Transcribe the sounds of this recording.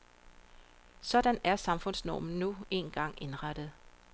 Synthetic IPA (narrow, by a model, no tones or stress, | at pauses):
sɒ̽d̥ænæɐsɑ̈mfɔ̽n̰snɒ̰ːmn̩nue̝̰nɡ̥ɑ̈ŋ̰e̝nʁɑd̥ð̞̩ˠ